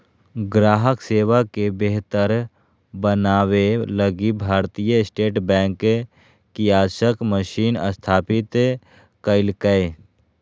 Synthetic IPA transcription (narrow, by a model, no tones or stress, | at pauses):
ɡɾaːɦəkseːʋakebeɦt̪əɾ | bənaːweləɡibʱaːɾt̪ijəɪsʈeːʈbɛ̃ːŋk | kiaːʃəkməʃiːnə̰st̪ʰaːpɪt̪ | kəɪlkəe